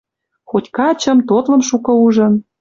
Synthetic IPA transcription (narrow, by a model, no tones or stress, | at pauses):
xotʲkɑt͡ɕə̆mt̪ot̪lɤ̆mʃukɤ̆uʒɤ̆n